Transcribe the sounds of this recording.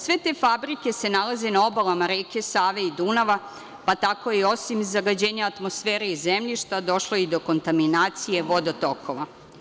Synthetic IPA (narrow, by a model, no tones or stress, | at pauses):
sʋe̞t̪e̞ːfabɾike̞se̞nalaze̞nao̞balamaɾeːke̞saːʋe̞id̪unaʋa | pat̪ako̞jio̞simzaɡad͡ʑeːɲaːt̪mo̞sfeːɾeizːemʎiʃt̪ad̪o̞ʃlˠoid̪o̞ko̞nt̪aminaːt̪sije̞ʋo̞d̪ot̪o̞kʰo̞ʋa